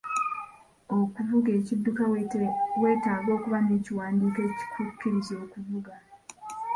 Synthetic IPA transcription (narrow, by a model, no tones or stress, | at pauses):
okuvuɡe̞ːcidːuka | we̞ːtaːɡo̞ːkuβane̞ːciwaːndiːke̞ːci̥kukːiɾizoːkuvuɡa